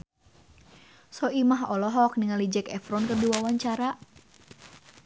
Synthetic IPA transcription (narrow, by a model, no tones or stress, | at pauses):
sɔʔimaɦɔlɔɦɔk̚niŋalid͡ʒɛkɛfɾɔnkərdiwawaɲt͡ʃaɾa